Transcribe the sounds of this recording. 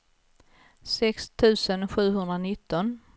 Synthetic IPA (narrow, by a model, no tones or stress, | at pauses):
sɛkst̪ʰʉ̟ːsənɧʉ̟ːɦɵnd̪ɾanɪt̪ʰːɔn